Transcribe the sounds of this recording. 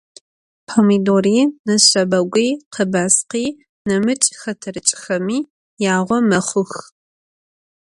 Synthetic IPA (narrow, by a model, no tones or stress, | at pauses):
pʰomidoriːnɨɕʷɐbɐɡʷʼiːqʰəbaːsqiː | nɨmɨt͡ʃʼxɐtʰɐrɨt͡ʃʼxɐmiː | jaːʁʷɔmɐχʷʊx